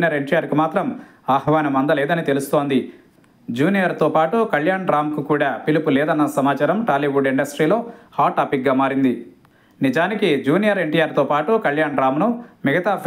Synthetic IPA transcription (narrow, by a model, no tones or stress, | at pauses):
jɐɾe̞ɳʈijaːɾkimaːt̪ɾɐm | aːhɐʋaːnɐmɐnd̪ɐlɛːd̪ɐnit̪e̞lust̪o̞ːnd̪i | d͡ʒuːnijɐɾt̪oːpaːʈukɐljaːɳɾaːmkukuːɽaːpilupulɛːd̪ɐnːɐsɐmaːt͡ʃaːɾɐmʈaːliʋuɖiɳɖɐsʈɾiːlo̞ːhaːʈːaːpik̚ɡaːmaːɾind̪i | nid͡ʒaːnikid͡ʒuːnijɐɾe̞ɳʈijaːɾt̪oːpaːʈukɐljaːɳɾaːmnumiɡɐt̪aːp